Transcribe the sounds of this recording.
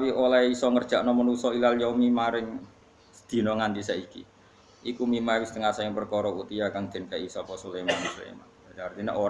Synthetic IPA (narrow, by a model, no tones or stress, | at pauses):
wiolaisɔŋərd̥ʒ̥a̤ʔnɔmənusɔilaljɔmimaɾɪŋ | səd̪̥i̤nɔŋant̪isɛikḭ | ʔikumimaiwɪst̪əŋasaɪŋpərkɔɾɔut̪ijakaŋd̪̥ɛ̤nkaisɔpɔsulemansṵlḛma̰n | dart̪inḛʔo